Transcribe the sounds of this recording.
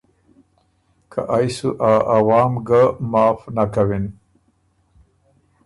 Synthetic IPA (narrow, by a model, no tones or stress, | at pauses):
kʰa̰ʔajsuʔaʔawɑːmɡamɑːfnakawin